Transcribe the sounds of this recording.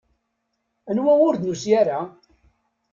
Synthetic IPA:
ənwæwʊɾd̪nusjæɾa

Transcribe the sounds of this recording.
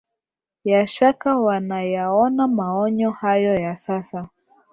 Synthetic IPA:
jaʃakawanajaɔnamaɔɲɔhajɔjasasa

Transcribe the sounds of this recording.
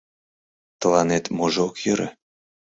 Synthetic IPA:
t̪əlɑnet̪moʒokjəɾḛ

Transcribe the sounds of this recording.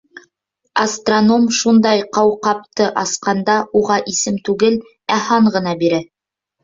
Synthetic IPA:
ɐst̪rono̞mʃund̪ɑjqɑwqɑp̚t̪ɤʔɑsqɑnd̪ɑʔuʁɑʔisɘmt̪ʉɡɘl | æhɑɴʁɤ̆nɑbiɾæ

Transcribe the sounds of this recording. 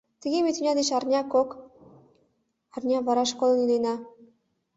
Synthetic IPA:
t̪əɣemet̪ynʲɑd̪eʃɑrnʲɑkok | ɑrnʲɑβɑɾɑʃkolˠɤnilenɑ

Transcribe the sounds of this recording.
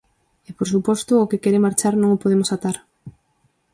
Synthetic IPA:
epoɾs̬upɔst̪ʊːkɪkɛɾɪmaɾt͡ʃaɾnõŋopoðemosat̪aɾ

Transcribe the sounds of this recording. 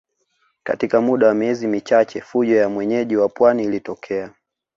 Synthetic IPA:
ka̰tikamuɗawamiɛzimit͡ʃat͡ʃɛfuʄɔjamwɛɲɛʄiwapwaniːlitɔkʰɛa

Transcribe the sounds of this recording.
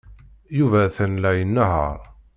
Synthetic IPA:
juvæθænlæjənːəɦə̰ɾˤ

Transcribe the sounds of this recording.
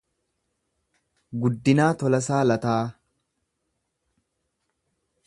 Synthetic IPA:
ɡʊd̪ːɪnaːt̪ɔlɐs̬aːlɐt̪aː

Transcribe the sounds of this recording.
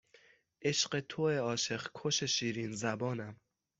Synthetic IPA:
ʔeʃɢet̪ʰoeɒːʃe̞χkʰoʃeʃiːɾiːnzæbɒːnæm

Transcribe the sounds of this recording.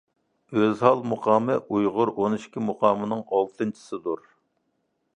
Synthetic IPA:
øzhɑlˠmuqʰɑːmɨʔujʁʊɾʔonɨʃkʲimuqʰɑːmɨnɨŋɑlˠt̪ʰɨnt͡ʃʰi̥sɨd̪uɾ

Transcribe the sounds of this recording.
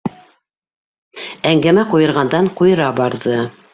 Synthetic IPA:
æŋɡæmæqujɤ̆ɾʁɑnd̪ɑɴqujɤ̆ɾɑbɑɾðɤ

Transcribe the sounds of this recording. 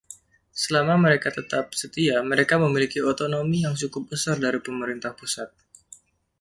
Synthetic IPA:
səlamaməɾekat̪ət̪ap̚sət̪iaməɾekaməmilikiot̪onomijaŋt͡ʃukʊp̚bəsardaɾipəməɾint̪ahpusat̪̚

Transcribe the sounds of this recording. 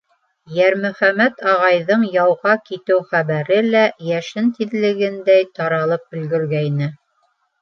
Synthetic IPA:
jæɾmɵ̆χæmæt̪ɑʁɑjðɤɴjɑwʁɑkit̪ɘwχæβæɾɘlæjæʃɘnt̪iðlɘ̆ɡɘnd̪æjt̪ɑɾɑlˠɤp̚bɵ̆lɡɘ̆ɾɡæjnɘ

